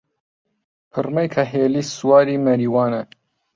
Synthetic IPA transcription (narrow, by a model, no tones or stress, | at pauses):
pʰɨrmɐjkʰɐɦeːliːsuwaːɾiːmɐɾiːwaːnɐ